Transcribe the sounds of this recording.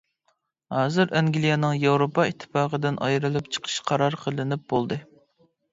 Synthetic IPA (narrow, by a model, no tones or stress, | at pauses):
hɑːzɨɾɛŋɡʲlˠijɑnɨŋjɑwɾopʰɑit̪ʰːɨ̥pɑːqəd̪ɪnʔɑ̰jɾɨlˠɨpt͡ʃʰə̥qʰə̥ʃqʰɑɾɑɾqʰəlˠɪnɪp̚b̥olˠd̪ɨ